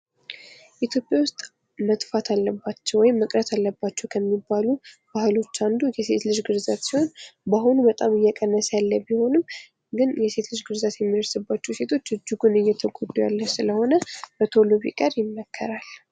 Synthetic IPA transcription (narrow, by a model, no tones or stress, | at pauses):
ʔit̪ʰjopʼjawʊst̪ʼ | mət̪ʼfat̪ʰalːəbːat͡ʃːɛwɔjɪmːəkʼɾət̪ʰalːəbːat͡ʃːɛwkʰəmːibːalub̥ahɨlo̞t͡ʃːand̪ujɛse̞t̪lɨʒɡɨɾzat̪siho̞nbaɦunubət̪ʼamɨjːɛkʼənːəsjalːəbiho̞nɨm | ɡɨnjɛse̞t̪lɨʒɡɨɾzat̪jɛmːiəɾsɨbːat͡ʃːɛwse̞t̪ʰo̞t͡ʃːɨd͡ʒːɪɡunɨjːɛt̪ʰəɡod̪ujalːəsɨləho̞nəb̥ət̪ʰo̞loβḭkʼəɾjɪnːəkʰːə̰ɾal